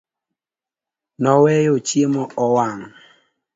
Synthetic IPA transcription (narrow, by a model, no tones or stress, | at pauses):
nɔwɛjot͡ʃiemɔɔwaŋ